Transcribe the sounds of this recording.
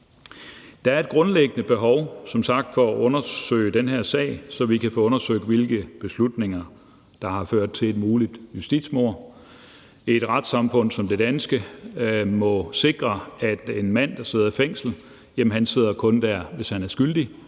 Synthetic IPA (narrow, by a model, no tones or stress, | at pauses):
d̥ɑ̈æɐe̝d̥̚ɡ̥ʁɔ̽nleɡ̥ənəb̥e̝ɦɒʊsɒ̽msɑ̈ɡ̥̚d̥fɒ̽æʔɔ̽nɐsø̰ɪ̰əd̥enɦæɐ̰sɛ̰ɪ̰sɒ̽ʋikʰæfɔɔ̽nɐsøɡ̥̚ʋe̝lɡ̥əb̥e̝slud̥ne̝ŋɐ | d̥ɑ̈hɑ̈føɐ̰d̥̚t͡sʰe̝le̝d̥muːlid̥jusd̥ḭd̥smo̝ɐ̰ | ie̝d̥ʁɑd̥sɑ̈mfɔ̽n̰sɒ̽md̥e̝d̥ænsɡ̥ə | mɒ̽se̝ɡ̥ʁɐæd̥e̝nmæn̰d̥ɑ̈se̝ð̰ˠɐifeŋ̰sl̩ | jemnɦænse̝ð̞̰ˠɐkʰɔ̽nd̥æɐ̰ʋe̝shænæɐsɡ̥yld̥i